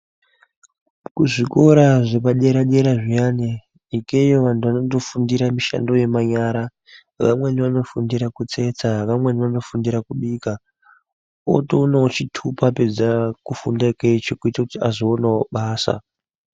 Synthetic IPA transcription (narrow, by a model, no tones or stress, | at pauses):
kuʐiko̞ɾaʐepaɗe̞ɾaɗeɾaʐijane | ikejoʋantʰuʋanoto̞fundiɾamiʃa̰ndo̞je̞maɲaːɾa | ʋa̰mwe̞niʋano̞fundiɾakut͡se̞t͡saʋamwe̞niʋano̞fundiɾakuɓiːka | o̰tounot͡ʃitʰupape̞d͡zakufundaket͡ʃokuitakutiazoonaoɓaːsa̰